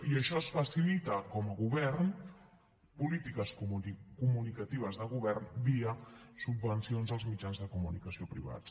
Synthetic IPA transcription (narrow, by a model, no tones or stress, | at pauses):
iəʃɔəsfəsilit̪əkɔməɣuβɛɾn | pulit̪ikəskumunikət̪iβ̞əzðəɣ̞uβɛɾnbiəsubːənsionzəlˠzmid͡ʒanzðəkumunikəsiopɾḭβa̰t͡s